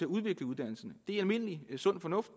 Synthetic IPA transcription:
e̝æuð̞ˠʋe̝ɡ̥ləuð̞ˠd̥æn̰l̩sɐnəd̥e̝æælme̝n̰əlisɔ̽n̰̥fɒ̽nɔ̽fd̥

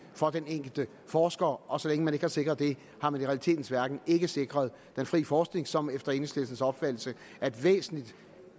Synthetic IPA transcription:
fɒ̽d̥eneŋ̰ɡ̥l̩d̥ə | fɒːsɡ̥ɐʔɒ̽sɒ̽leŋəmæne̝ɡ̥əhɑ̈se̝ɡ̥ʁɐðˠd̥e̝ | hɑ̈mæniʁɛælit͡sʰe̝̰ːd̥n̩sʋæɐɡ̥n̩e̝ɡ̥əse̝ɡ̥ʁɐð̞ˠ | d̥enfʁḭːfɒːsɡ̥ne̝ŋsɒ̽mefd̥ɐe̝nəsle̝lsn̩sɒ̽b̥fæd̥l̩sə | ʔæd̥ʋḛːsn̩lid̥

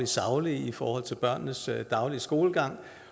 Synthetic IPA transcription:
lisɑ̈ʊliifɒːhɒ̽l̰t͡sʰe̝lb̥ɶɐ̰nnəsd̥ɑ̈ʊliəsɡ̥o̝ːləɡ̥ɑ̈ŋ̰

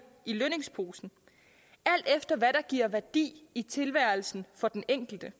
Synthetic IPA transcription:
iløne̝ŋspʰo̝ːsn̩ | æl̰d̥efd̥ɐʋæɾ̥ɑ̈ɡ̥iɐ̰ʋæɐd̥ḭːit͡sʰe̝lʋæɐ̰l̩sn̩fɒ̽d̥eneŋ̰ɡ̥l̩d̥ə

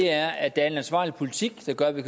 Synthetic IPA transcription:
eæɐɐæd̥ææɐe̝nænsʋɑ̰̈ːlipʰo̝lit͡sʰiɡ̥d̥ɑ̈ɡ̥ɶɐʋikʰæ

